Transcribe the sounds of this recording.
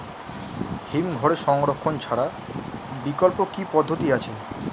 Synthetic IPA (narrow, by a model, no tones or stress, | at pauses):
himɡʱɔɾeʃɔŋɾokʰːont͡ɕʰaɽa | bikolpokipɔd̪ʱːot̪iat͡ɕʰe